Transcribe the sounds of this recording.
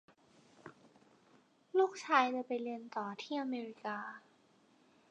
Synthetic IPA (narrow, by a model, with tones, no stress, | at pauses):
nuː˥˩k̚t͡ɕʰaː˧jt͡ɕa˧˩pa˧jlɯ˧ənt̪ɔː˨˩t̪ʰiː˥˩ʔa˧meː˧ɾi˧kaː˧